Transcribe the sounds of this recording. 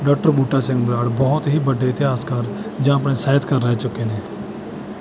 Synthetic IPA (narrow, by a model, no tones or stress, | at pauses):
ɖɔːk̚ʈəɾbuːʈat͡ʃɛ̃ŋɡbɾaːɽbɔɦʊt̪ɦibəɖʱeɪt̪ɪɦaːskaɾd͡ʒãɐpnesaːət̪kɐɾːɐɦet͡ʃʊkenɛ̃ː